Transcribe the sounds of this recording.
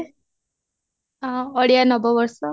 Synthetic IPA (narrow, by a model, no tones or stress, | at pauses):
ɔɽijanɔbɔbɔɾsɔ